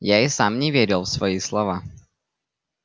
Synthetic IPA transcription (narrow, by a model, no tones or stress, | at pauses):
jaːjɪsaːmɲɛvjɛɾɛlfsvojislova